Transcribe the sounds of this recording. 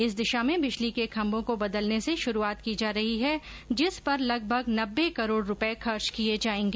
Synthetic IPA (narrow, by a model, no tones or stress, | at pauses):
ɪsd̪ɪʃamẽbɪt͡ʃlikekʰɐ̃mbõkobɐd̪əlneseʃʊɾuaːt̪kid͡ʒaːɾɐɦiɦɛ | d͡ʒɪspɐɾlɐɡbʱəɡnɐbːekɐɾoːɽɾʊpɛexɐɾt͡ʃkied͡ʒaːẽːŋɡeː